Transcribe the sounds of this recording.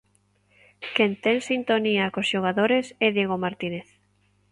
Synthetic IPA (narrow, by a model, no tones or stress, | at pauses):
kent̪eŋsint̪oniakosʃoɣ̞aðoɾesɛðjeɣ̞omaɾt̪ineθ